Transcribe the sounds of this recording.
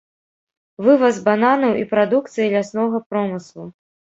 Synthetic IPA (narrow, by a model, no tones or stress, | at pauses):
vɨvɐzbananɐwʔipɾad̪uk̚t̪sɨjilʲasnɔɣɐpɾɔmɨslˠu